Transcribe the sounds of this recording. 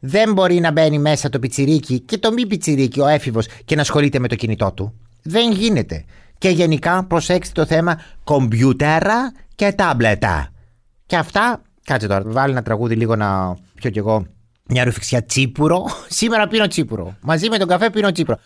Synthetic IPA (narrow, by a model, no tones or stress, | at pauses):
ðe̞mbo̞ɾinɐbe̞nime̞sɐt̪o̞pit͡siɾicice̞t̪o̞mip̬it͡siɾicio̞e̞fivo̞sce̞nɐsxo̞lit̪e̞me̞t̪o̞cinit̪o̞t̪u | ðe̞ŋʝine̞t̪e̞̰ceʝe̞nikɐpɾo̞seksi̥t̪o̞θe̞mɐko̞mbʝut̪eɾɐce̞t̪ɐblet̪ɐ̰ | ce̞ɐft̪ɐ | kɐt͡sit̪o̞ɾɐvɐlinɐt̪ɾɐɣuðiliɣo̞nɐpço̞ce̞ɣo̞ | mɲɐɾufi̥ksçɐt͡sipuɾo̞sime̞ɾɐpino̞t͡sipuɾo̞̰mɐzime̞t̪oŋɡɐfe̞puinot͡sipuɾo